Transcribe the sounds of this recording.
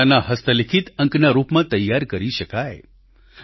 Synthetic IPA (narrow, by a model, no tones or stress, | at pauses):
anaɦəst̪ʰəlɪkʰit̪ə̃ŋknaɾupmãt̪əjːaɾkəɾiʃəkae